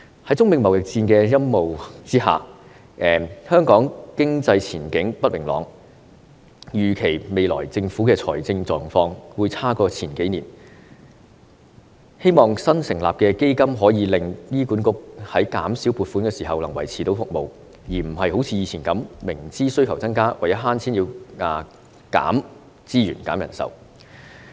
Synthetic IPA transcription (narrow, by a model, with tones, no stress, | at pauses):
hɐ˨˥jt͡sʊ˥ŋmɪ˨˧ŋmɐ˨˩wjɪ˨˩k̚t͡siː˧nkɛː˧jɐ˥mːo˨wt͡siː˥ɦa̰ː˨ | ʔɛː˨hœː˥ŋkɔː˨˥ŋkɪ˥ŋt͡sɐ˧jt͡sʰiː˨˩nkɪ˨˥ŋpɐ˥t̚wɪ˨˩ŋlɔ̰ː˨˧ŋ | jyː˨˩kʰe˨˩jme˨˧jlɔ̰ː˨˩jt͡sɪ˧ŋfuː˨˥kɛː˧t͡sʰɔ̰ː˨˩jt͡sɪ˧ŋt͡sɔː˨ŋfɔː˧ŋwuː˨˧jt͡sʰaː˥kɔː˧t͡sʰiː˨˩nke˨˥niː˨˩n | he˥jmɔː˨ŋsɐ˥nsɪ˨˩ŋla̰ː˨p̚kɛː˧ke˥jkɐ˥mɦɔː˨˥jiː˨˧lɪ˨˧ŋjiː˥kuː˨˥nkʊ˧k̚hɐ˨˥jkaː˨˥msiː˨˥wpuː˨˧t̚fuː˨˥nkɛː˧siː˨˩ɦɐ˨wlɐ˨˩ŋwɐ˨˩jt͡sʰiː˨˩t̪o˨˥wfʊ˨k̚mo˨w | jiː˨˩m̩˨˩ɦɐ˨jho˨˥wt͡sʰiː˧jiː˧t͡sʰiː˨˩nkɐ˨˥mmɪ˨˩ŋt͡siː˥sɵ˥ɥkʰɐ˨˩wt͡sɐ˥nkaː˥wɐ˨˩jɐ˥ɦaː˥nt͡sʰiː˥njiː˧wa˨ | ka̰ː˨˥m | t͡siː˥ɥy̰ː˨˩nkaː˨˥mjɐ˨˩nsɐ̰˨w